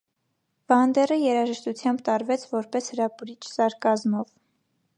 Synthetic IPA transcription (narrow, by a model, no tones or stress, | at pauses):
v̥ɑnd̪ɛrəjɛɾɑʒəʃt̪ut͡sʰjɑmbt̪ɑɾvɛt͡sʰvɔɾpɛshəɾɑpuɾit͡ʃʰsɑɾkɑzmɔv